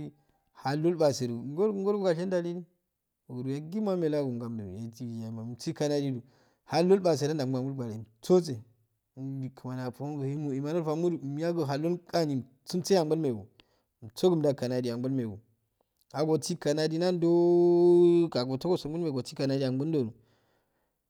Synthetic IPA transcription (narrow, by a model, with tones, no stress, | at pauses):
i˦ | ha˨lo˦lba˨se˨ɾu˨˦ɡo˦ŋɡo˦ɾbu˦ɡa˨ʃe˦nda˨li˦di˦˨ | ɡu˨ɾu˨ja˨ɡi˦mʷ˦a˦me˨la˦ɡu˨ŋ˨ɡa˨mdu˨ja˨ti˦˨ja˨ma˨m˨ti˦ka˦na˦di˦du˨ | ha˦lo˦lɓa˨s̬e˨ɾa˦nda˨˦ɡ͡ba˨mu˦lɡ͡ba˨le˨i˨t͡so˦t͡se˨ | i˨kʰə˨ma˨na˨po˨˦ɡə˨i˦mu˨i˨ma˨no˦lfa˨mu˦du˨m˦ja˦ɡə˨ɦa˨lo˦ka˦ni˨m˨ | t͡su˦mt͡se˦ja˨˦ə˦lme˨ɡṵ˨ | t͡so˦ɡə˨mda˨ka˨na˨di˨a˨ŋbo˦lme˨ɡṵ˨ | a˨ɡo˨ti˦ka˨na˦di˦na˦ndo˦ | ka˨ɡo˨to˦ɡo˦so˨˦u˦lme˨o˨ti˦ka˨na˦di˦ja˨ŋbə˦n˦do˨nu˨